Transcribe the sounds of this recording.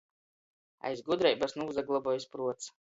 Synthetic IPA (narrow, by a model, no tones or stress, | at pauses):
a̰jzɡud̪ɾajbasnuwzaɡlˠabɔjspɾuɔt̪s